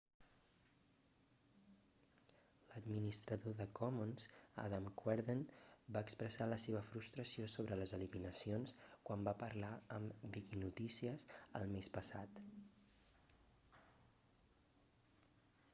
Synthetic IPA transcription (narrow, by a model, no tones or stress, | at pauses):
ləd̪minist̪ɾəðoðəkɔmonza̰ðamkwɛɾðenbaəkspɾəsaləseβəfɾust̪ɾəsiosoβɾələzəliminəsionskwambapəɾlaəmbikinut̪isiəzə̰lˠmespəsat̪